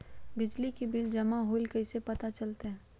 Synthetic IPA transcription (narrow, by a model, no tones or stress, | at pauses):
bɪd͡ʒlikibɪld͡ʒɐmaɦoːlkɐɪsepɐt̪at͡ʃɐlt̪eɦɛ̃ː